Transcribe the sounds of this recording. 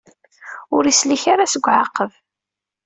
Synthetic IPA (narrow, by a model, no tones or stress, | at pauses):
ʊɾisliçaɾasəɡʷːʕaqːəv